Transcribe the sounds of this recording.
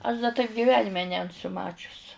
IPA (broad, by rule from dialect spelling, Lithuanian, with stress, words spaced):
ɐʃ dɐ tɐɪp ɡʲɪˈʋʲæːnʲɪmʲɛ nʲɛnˈsʊ ˈmɑːt͡ʃʲʊs